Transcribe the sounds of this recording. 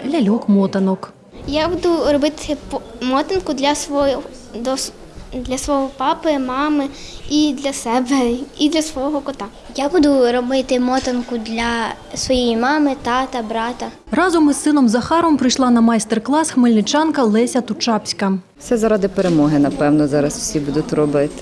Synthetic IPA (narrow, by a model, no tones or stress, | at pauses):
lʲɐlʲɔkmɔt̪ɐnɔk | jabud̪ʊrɔbɪt̪ɪpmɔt̪ɪnkʊd̪lʲɐsʋɔ | d̪ɔs | d̪lʲɐsʋɔɦɔpɑpɪmɑmɪid̪lʲɐsɛbɛid̪lʲɐsʋɔɔɦɔkɔt̪a | jabud̪ʊɾɔbɪt̪ɪmɔt̪ɪnkʊd̪lʲɐ | sʋɔjɛjimɑmɪt̪ɑt̪ɐbɾɑt̪ɐ | rɑzɔmɪsɪnɔmzɐxɑɾɔmpɾɪjʃlˠɑnɐmɑjst̪erklˠɑsxmɪlʲnɪt͡ʃɑnkɐlˠɪsʲɐt̪ʊt͡ʃɑpsʲkɐ | wsɛzɐɾɑd̪ɪpeɾemɔɦɪnɐpɛwnɔzɑɾɐswsʲibud̪ʊt̪ʲɾɔbɪt̪ɪ̥